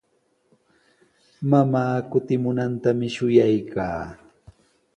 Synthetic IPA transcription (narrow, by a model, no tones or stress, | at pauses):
mamaːkʊt̪ɪmʊnant̪amɪʃʊjajka̰ː